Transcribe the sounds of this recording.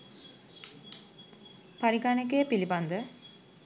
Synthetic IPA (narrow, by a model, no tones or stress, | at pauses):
paɾiɡanek̬ejəpiliband̪ə